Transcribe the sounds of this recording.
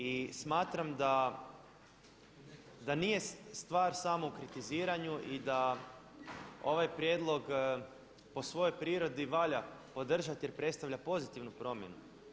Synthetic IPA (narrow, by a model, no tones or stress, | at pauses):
ismaːt̪ɾamd̪a | d̪anije̞st̪ʋaːɾsamoukɾit̪iziːɾaɲuʔid̪a | o̞̰ʋajpɾje̞d̪lˠo̞ɡ | po̞sʋo̞jojpɾiːɾo̞d̪iʋaʎapo̞d̪r̩ʒat̪je̞ɾpɾet̪st̪aʋʎʲapo̞zit̪iʋnupɾo̞mje̞̰nṵ